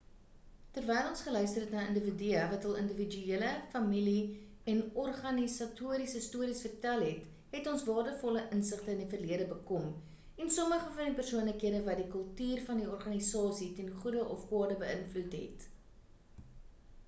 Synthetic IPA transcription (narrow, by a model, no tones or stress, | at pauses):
tərvɛjlˠɔnsχəlœɥstərɦɛtnɐːəndəvədiəvɐtɐlˠəndəvid͡ʒyiələfɐmili | ɛnɔrχɐnisɐtuəɾisəstuəɾisfərtælˠɦɛt | ɦɛtɔnsvɑːdəfɔləʔənsəχtəəndifərliəɾəbəkɔm | ɛnsɔməχəfɐndipərsuənləkɦiədəvɐdikəlˠtyːrfɐndiɔrχɐnisɑːsitɛnχudəʔɔfkwɑːdəbəənflutɦɛ̰t